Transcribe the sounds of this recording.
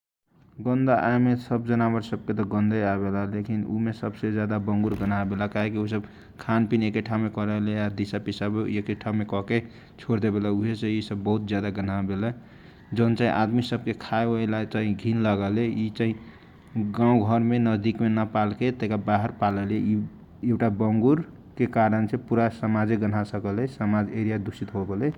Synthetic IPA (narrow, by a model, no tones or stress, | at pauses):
ɡənd̪aʔa̰emesəbd͡ʒənabəɾsəb̚ket̪ɔɡə̃nd̪əabelalekinṵmesəbsed͡ʒjad̪abəŋɡuɾɡənabelakaɦekius̬əb | kʰanpinekeʈʰamekɔɾəlead̪isapisabeekeʈʰamekɔke | t͡ʃʰoɾd̪ebelauɦeseisəbːəɦut̪̚d͡ʒjad̪aɡənabelɛ | d͡ʒont͡ʃaɦḭ̃ʔad̪misəb̚kekʰaeoelat͡ʃaɦĩɡʱinləɡəleit͡ʃaɦĩ | ɡãũɡʱəɾmenəd̪ikmenəpalket̪ekabaɦəɾpaləlei | ewʈabəŋɡuɾ | kekaɾənsẽpuɾasəmad͡ʒeɡən̤asəkəlesəmad͡ʒeɾijad̪usit̪ɦobele